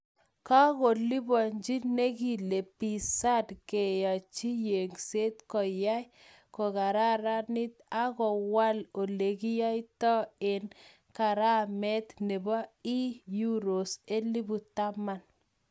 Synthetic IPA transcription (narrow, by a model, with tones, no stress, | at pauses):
ka˦ko˨li˦bɔ˨ɲd͡ʒi˦ne˦ki˨le˨pi˨sa˦dke˨ja˨t͡ʃi˦je˨ŋse˦t̪kɔ˨ja˦j | ko˨ka˨ɾa˦ɾa˦ni˦t̪a˦kɔ˨wa˦lo˨le˨ki˦ja˦jtɔ˦e˨n | ka˨ɾa˦mɛ˦t̪ne˨bɔ˦i˦ju˦ɾo˨se˦li˦bu˨t̪a˦ma˨n